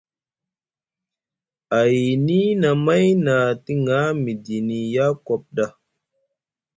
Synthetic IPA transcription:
a˨ji˨ni˦na˨ma˦jna˨ti˦ŋa˦mi˨di˨ni˨ja˦ko˨p̚da˦

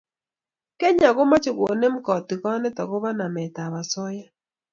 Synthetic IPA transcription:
kɛ˦ɲa˨ɣo˦ma˦t͡ʃɪ˨ko˨nɛ˦m̩˦kɔ˨tɪ˨kɔ˦nɛ˦ta˨kɔ˦βa˦na˨mɛ˨ta˨βa˨sɔ˦ja˦

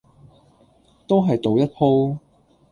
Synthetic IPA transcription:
t̪o˥wɦɐ˨jt̪o˨wjɐ˥t̚pʰo˥w

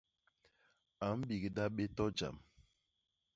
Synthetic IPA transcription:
a˨m̩˦bi˨ɡi˨da˦ɓe˦tɔ˦d͡ʒa̰˨m

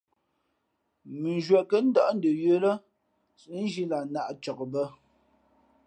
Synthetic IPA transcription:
mʉ˨n˨ʒwa˨kə˦n̩˦dɔ˦ʔn̩˦də˨jə˦lə˦ | sn̩˦ʒi˦la˨na˦˨ʔt͡ʃɔ˨kbə˦

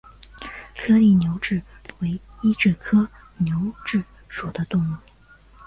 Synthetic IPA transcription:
kʰɤ˥li˥˩njo˧˥ʊʈ͡ʂɻ̩˥˩we˧˥ɪi˥ʈ͡ʂɛ˥˩kʰɤ˥ | njo˧˥ʊʈ͡ʂɻ̩˥˩ | ʂwɔ˨˩d̪ə˦t̪ʊ˥˧ŋu˥˩

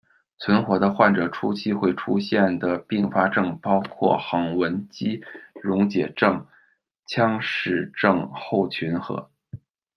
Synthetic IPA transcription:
t͡sʰwə˧˥nxwɔ˧˥d̪ə˧xwa˥˩nʈ͡ʂɤ˨˩ʈ͡ʂʰu˥t͡ɕʰi˥xwe˥˩ɪʈ͡ʂʰu˥ɕjɛ˥˩nd̪ə˩pi˥˩ŋfa˥ʈ͡ʂɤ˥˩ŋpɑ˥ʊkʰwɔ̰˥˩xɤ˧˥ŋwə˧˥nt͡ɕi˥ɻʊ˧˥ŋt͡ɕjɛ˨˩ʈ͡ʂɤ˥˩ŋ | t͡ɕʰjɑ˥ŋʂɻ̩˥˩ʈ͡ʂɤ˥˧ŋxo˥˩ʊt͡ɕʰy˧˥nxɤ̰˧˥

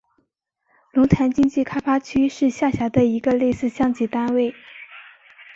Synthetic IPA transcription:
lʊ˧˥ŋt̪ʰa˧˥nt͡ɕi˥ŋt͡ɕi˥˩kʰa˥fa˥t͡ɕʰy˥ʂɻ̩˥˧ɕja˥˩ɕja˧˥d̪ə˧i˧˥ɡə˧le˥˧ɪsɹ̩˥˩ɕjɑ˥ŋt͡ɕi˧˥t̪a˥nwe˥˩ɪ

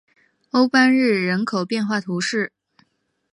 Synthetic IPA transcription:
o˥ʊpa˥nɻɻ̩˥˩ɻə˧˥nkʰo˨˩ʊpjɛ˥˧nxwa˥˩t̪ʰu˧˥ʂɻ̩˥˩

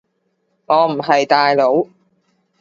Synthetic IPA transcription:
ŋɔː˨˧m̩˨˩ɦɐ˨jt̪aː˨jlo˨˥w

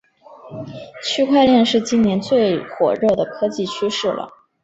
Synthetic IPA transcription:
t͡ɕʰy˥kʰwa˥˧ɪljɛ˥˧nʂɻ̩˥˩t͡ɕi˥nnjɛ˧˥nt͡swe˥˩ɪxwɔ̰˨˩ɻɤ˥˩d̪ə˩kʰɤ˥t͡ɕi˥˩t͡ɕʰy˥ʂɻ̩˥˩lə̰˩

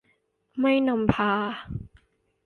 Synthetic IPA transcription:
ma˥˩jna˧mpʰaː˧

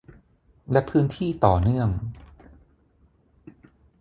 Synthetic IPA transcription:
lɛ˦˥pʰɯː˦˥nt̪ʰiː˥˩t̪ɔː˨˩nɯ˥˩əŋ

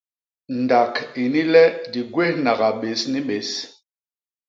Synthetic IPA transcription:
n˨da˨ki˨ni˦lɛ˦di˨ɡwe˦hna˨ɡa˨ɓe˨sni˦ɓe˨˦s

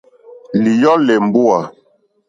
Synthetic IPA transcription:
li˨jɔ˦lɛ˨m˨bu˦a˨

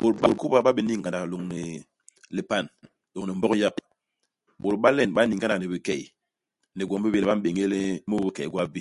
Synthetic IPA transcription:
ɓo˨ɾɓo˨ɾku˦ba˦ɓa˦bi˨ni˦ŋ˨ɡa˨nda˨klo˨ŋni˨ | le˨pa˦˨n | lo˨ŋ˨ni˨m˦bɔ˦kja˦k | ɓo˨ɾɓa˦le˦˨nɓa˦ni˨ŋɡa˦nda˨ne˨bi˨kɛ˨ | ne˨ɡo˨m˦bi˦be˨lba˦m˦ɓe˨ŋe˦le˦mu˦i˨ke˨˦ɡwa˦bi˦

